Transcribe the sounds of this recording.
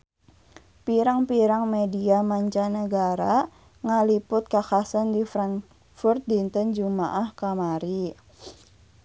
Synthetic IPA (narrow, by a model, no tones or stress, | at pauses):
piɾaŋpiɾaŋmediamaɲt͡ʃanəɡaɾa | ŋalipʊt̪̚kakasandifɾaŋ | fʊrt̪̚dint̪ənd͡ʒuma̰ʔahkamaɾi